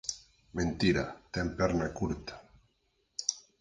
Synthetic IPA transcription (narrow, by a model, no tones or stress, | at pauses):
mẽnt̪iɾat̪ɛmpɛɾnakuɾt̪ḁ